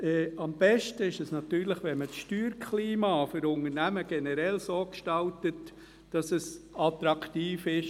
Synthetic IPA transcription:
ɛːɑmb̥ɛʃtəɪʃɛsnɑt̪yːɾləχʋɛmət͡sʃtyːɾkʰliːmɑːfʏɾʊnəɾnæməɡ̥ɛnəɾɛlsoːkʃtɑltət | d̥ɑsɛsɑtɾɑkʰtiːfɪʃ

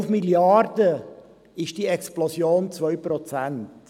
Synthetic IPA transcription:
fmiljardə | ɪʃd̥iːɛksplɔsjoːnt͡svœʏpɾɔt͡sænt

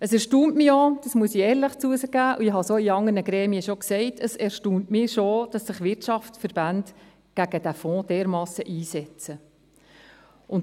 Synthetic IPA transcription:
əsɛɾʃtuːntmiod̥ɑsmuəsiɛːɾləχt͡suəsəɡ̥æːʔuɪɦɑsoiɑŋənəɡɾɛːmiəʃoksɛɪtʰəsɛɾʃtuːntmɪʃod̥ɑsːɪχʋɪɾtʃɑftfəɾb̥ænd | ɡ̥æɡ̥əd̥æfɔ̃ːd̥eːɾmɑːsəʔiːsɛt͡sə | ʔʊn

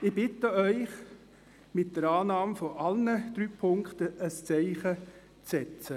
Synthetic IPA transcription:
ɪb̥ɪtəœʏχ | mɪt̚d̥əɾɑːnɑːmfɔʔɑlnəd̥ɾyːpʰʊŋkχtəəst͡sɛɪχə | t͡sɛt͡sə

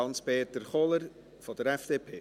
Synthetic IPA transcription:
ɑnspeːtəɾχɔləɾ | fɔd̥əɾɛfd̥eːpʰeː

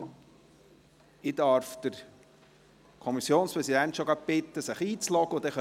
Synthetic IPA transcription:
ɪd̪ɑɾfd̪̥əɾ | kʰɔmisjoːnspɾɛsid̪ænt̪ʃoɡɑb̥ɪt̪ːəsəχiːt͡slɔɡ̥əʊd̪ɛχœ

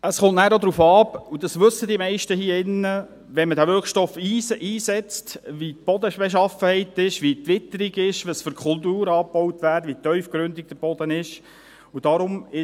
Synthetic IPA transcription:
əsχʊntnæːɾod̪ɾuːfɑːpud̥ɑsʋɵsːədimɛɪʃtəhiːəɪnːə | ʋɛnmədæːʋʏɾχʃtɔfiːiːsɛt͡stʋit̚b̥ɔd̪əbeʃ̬ɑfəhɛɪtɪʃʋitʋɪt̪ːəɾiɡɪʃʋəsfyɾkʰʊltuːɾɑːpːɔwt̪ʋæːɾdʋit̪œʏfkɾʏndik̚d̥əb̥ɔd̥̪ənɪʃ | ud̥ɑɾʊmɪ

